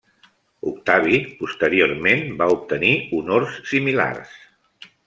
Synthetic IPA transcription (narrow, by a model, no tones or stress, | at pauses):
ukt̪aβ̞ipust̪əɾioɾmenbaup̚t̪əniunorsːimila̰rs